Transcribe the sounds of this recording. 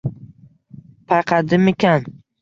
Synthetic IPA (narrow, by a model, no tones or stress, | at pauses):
pʰaqʰɑd̪ɪmekʲan